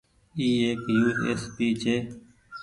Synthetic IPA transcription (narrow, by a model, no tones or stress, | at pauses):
iːeːkjuːsḛːspiːt͡ʃʰeː